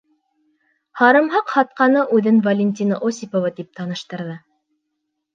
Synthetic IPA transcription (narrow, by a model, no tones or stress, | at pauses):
hɑɾɤ̆mɦɑqhɑt̪̚qɑnɤʔʉðɘnvɐlʲenʲt̪ʲinə̰ʔosʲipovɑt̪ip̚t̪ɑnɤ̆ʃt̪ɤ̆ɾðɤ